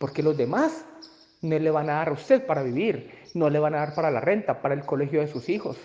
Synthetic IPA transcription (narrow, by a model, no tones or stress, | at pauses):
po̞ɾke̞lo̞zd̪e̞mas | noezle̞βanaðaɾaust̪e̞ðpaɾaβiβiɾnole̞βanaðaɾpaɾalare̞nt̪apaɾaelko̞le̞xjo̞ðe̞susixo̞s